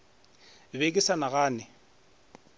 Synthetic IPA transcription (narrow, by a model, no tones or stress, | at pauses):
bekʼɪsanaɣaːnɪ